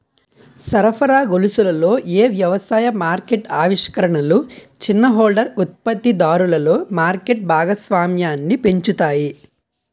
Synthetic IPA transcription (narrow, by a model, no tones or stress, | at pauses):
sɐɾɐpʰɐɾaːɡolusulɐlo̞ːʔeːʋjɐʋɐsaːjɐmaːɾkeʈaːʋiʂkɐɾɐɳɐlut͡ʃinːɐɦoːlɖɐɾut̪̚pɐt̪ːid̪aːɾulɐlo̞ːmaːɾkeʈ̚bʱaːɡɐsʋaːmjaːnːipe̞ɲt͡ʃut̪aːji